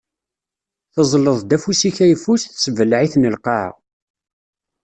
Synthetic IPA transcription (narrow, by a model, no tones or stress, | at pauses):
θəzˤləðˤd̪æfusiçæjəfusθsəvəlʕiθnəlqɑʕ̰